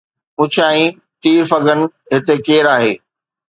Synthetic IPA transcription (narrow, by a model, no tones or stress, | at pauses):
ʊt͡ɕʰaːĩ | t̪iːɾfɐɡənɪ̆ | ɦɪt̪ekeːɾaːɦeː